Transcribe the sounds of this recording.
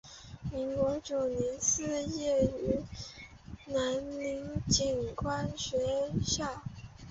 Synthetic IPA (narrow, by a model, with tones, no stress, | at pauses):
i˧˥ŋkwɔ˧˥t͡ɕjo˨˩ʊnɛ˧˥nsɹ̩˥˧jɛ˥˩y˧˥ | na˧˥nli˧˥ŋt͡ɕi˨˩nkʰwa˥nɕɥɛ˧˥ɕja˥˩